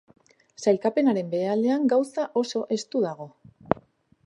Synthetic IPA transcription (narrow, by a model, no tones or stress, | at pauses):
sajlkape̞naɾe̞mbe̞ale̞aŋɡawsaʔo̞so̞ʔe̞st̪uðaɣ̞o̞